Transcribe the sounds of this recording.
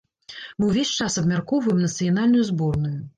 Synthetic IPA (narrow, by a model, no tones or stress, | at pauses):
mɨwvʲesʲt͡ʂasɐbmʲarkɔwvɐjɛmnɐt̪sɨjan̪alʲnujuzbɔrnuju